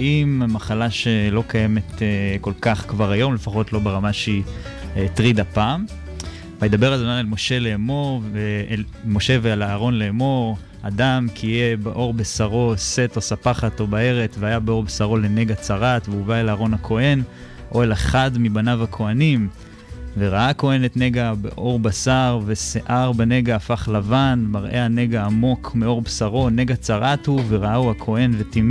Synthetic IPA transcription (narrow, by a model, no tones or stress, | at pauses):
aimmaχalaʃelo̞kajeme̞t̪eko̞lkaχkvaʁajo̞mle̞faχo̞tlo̞beʁamaʃei | t̪ʁid̪apaːm | vajed̪abe̞ʁadonaelmo̞ʃe̞leːmo̞ʁve | mo̞ʃevealaːʁo̞nleːmo̞ʁ | ad̪amkijebeʔo̞ʁbesaʁo̞se̞to̞sapaχat̪o̞bae̞ʁe̞t͡sveajabeo̞ʁbsaʁo̞le̞ne̞ɡat͡saʁat̪veuvaelaːʁo̞nhakʰo̞e̞n | ʔoelaχadmibanavakʰo̞anim | veʁaʔako̞e̞ne̞t̪ne̞ɡabḛʔo̞ʁbasaʁve̞seʔaʁbene̞ɡaːfaχlavanmaʁʔe̞hane̞ɡaːmo̞kʰmeo̞ʁbsaʁo̞neɡat͡saʁathuve̞ʁaauakʰo̞e̞nve̞tim